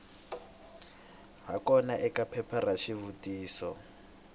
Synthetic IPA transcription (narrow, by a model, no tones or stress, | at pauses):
ɦakɔnaʔɛkapʰɛpʰaraʃivutʼiːsɔ